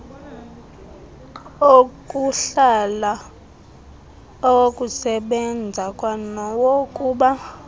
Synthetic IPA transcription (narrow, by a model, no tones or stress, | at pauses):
okʼuɬala | ɔwokʼusɛɓɛnd͡zʱakʼwanɔwokʼuːɓa